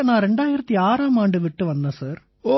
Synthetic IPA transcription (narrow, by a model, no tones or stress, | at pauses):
nãːɾɛɳɖaːjɪɾɐt̪ːiaːɾaːmaːɳɖɯʋɪʈːɯʋɐnd̪ẽːsaːɾ | oː